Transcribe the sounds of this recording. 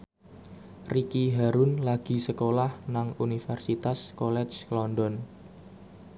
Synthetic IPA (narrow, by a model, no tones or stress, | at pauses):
rikiɦaɾunlaɡ̥i̤səkolahnaŋunifɛrsit̪askɔlɛ̥t͡ʃlɔndɔn